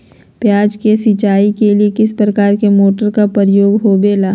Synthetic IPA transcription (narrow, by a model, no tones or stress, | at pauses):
pjaːd͡ʒkesit͡ʃaːikeliekɪspɾəkaːɾkemoːʈəɾkapəɾjoːɡɦobeːlaː